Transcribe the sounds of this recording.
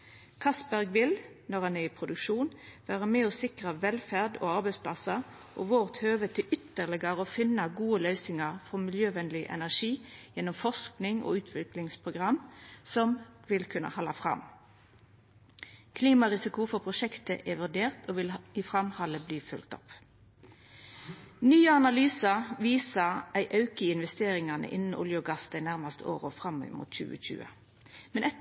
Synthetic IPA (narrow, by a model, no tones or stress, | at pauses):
kʰɑsbæʁɡʋɪl | nɔʁhɑnɛʁɪpʰʁʊd̪ʉkʃuːnʋæːʁəmeːɔsɪkʁəʋɛlfæʁd̪o̰ːɑʁbɛɪspʰlɑsɑ | ʔoːʋoːʁt̪høːʋət̪ʰɪlʔʏt̪ːəʁlɪɡəʁəɔfɪnːəɡuːəlœʏsɪŋɑʁfɔmɪljøːʋɛnlɪʔɛ̰næʁʂiːjɛnːɔmfɔʂknɪŋo̰ːʉːt̪ʰʋɪklɪŋspʰʁʊɡʁɑmːsɔmʋɪlkʰʉnə̰hɑlːɑfʁɑ̰m | kʰliːmɑʁɪsɪkʊfɔpʰʁʊʃɛkt̪ə̰ʔɛʋʉʁd̪eːʁt̪ʰoːʋɪlɪfʁɑmhɑləbliːfʉ̰lkt̪ɔ̰p | nyːəɑnɑlyːsəʋiːsəʔæɪʔɑʉkəɪnʋɛst̪eːɾɪŋɑnə̰ʔɪnn̩ʊ̰ljəɡɑsd̪æɪnæʁmɑst̪əo̰ːʁɔfʁɑmːmṵːt̪c͡çʉ̰ːə̰c͡çʉ̰ːə̰ | mɛnɛ